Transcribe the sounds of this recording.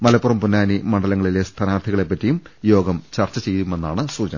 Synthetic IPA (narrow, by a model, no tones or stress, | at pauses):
mɐlɐpːurɐmpunːaːnimɐɳɖɐlɐŋːɐɭile̞st̪ʰɐnaːrt̪ʰiɣɐɭe̞pːɐtːijumjo̞ːɡɐmt͡ɕɐrt͡ɕːɐt͡ɕe̞jt̪ume̞nːaːɳɨsuːd͡ʑɐnɐ